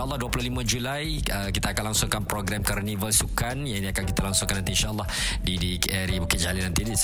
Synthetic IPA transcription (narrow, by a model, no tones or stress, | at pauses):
aʔlːɑhduapulʊhlimad͡ʒulajəkit̪aːkalaŋsuŋkanpɾoɡɾamkərnivəlsukanjaŋiniakankit̪alaŋsʊŋkanːant̪iinʃaʔlːɑh | didikɛɾibukɪt̪̚d͡ʒalinant̪idis